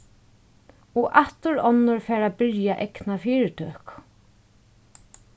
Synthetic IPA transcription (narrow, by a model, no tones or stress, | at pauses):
ɔʔat̪ʊɾɔnːʊɹfɛːɾabɪɾjaʔɛknafiːɾɪt̪ʰøːhk